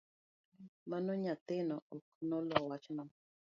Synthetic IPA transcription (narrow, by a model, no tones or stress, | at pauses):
manɔɲat̪ɪnɔɔknɔlɔwat͡ʃna